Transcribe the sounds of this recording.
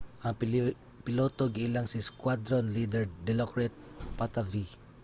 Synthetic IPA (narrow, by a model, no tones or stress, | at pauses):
ʔɐŋ | pɪloːt̪oɡɪɪlaŋsɪskwad̪ɾonlid̪ɛɹd̪ɛlokɹɛt̪̚pat̪avi